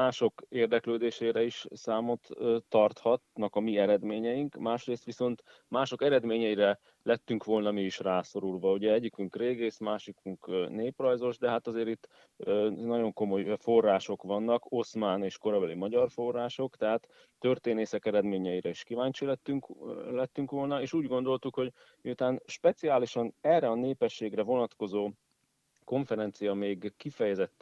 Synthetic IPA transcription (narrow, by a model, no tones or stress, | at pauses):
maːʃo̞keːrd̪ɛkløːd̪eːʃeːɾɛiʃsaːmo̞t̪ːɒrt̪hɒt̪nɒkɒmiɛɾɛd̪meːɲɛjiŋkmaːʃreːst̪ʋiso̞nt̪ | maːʃo̞kɛɾɛd̪meːɲɛiɾɛ | lɛt̪ːyŋkʋo̞lnɒmiiʃraːso̞ɾulʋɒuɟɛɛɟikyŋkreːɡeːsmaːʃikuŋkneːprɒjzo̞ʒd̪ɛɦat̪ɒzeːɾit̪ː | nɒɟo̞ŋko̞mo̞jfo̞rːaːʃo̞kʋɒnːɒko̞smaːneːʃko̞ɾɒbɛlimɒɟɒrfo̞rːaːʃo̞kt̪ɛɦat̪ː | ø̞rt̪eːneːsɛkɛɾɛd̪meːɲɛiɾɛiʃkivaːɲt͡ʃilɛt̪ːyŋklɛt̪ːyŋkʋo̞lnɒeːʃuːɟɡo̞nd̪o̞lt̪ukho̞ɟ | miut̪aːnʃpɛt̪siaːliʃɒnɛrɛɒneːpɛʃːeːɡrɛvo̞nɒt̪ko̞zoː | ko̞ɱfɛɾɛnt̪sijɒmeːɡkifɛjɛzɛt̪ː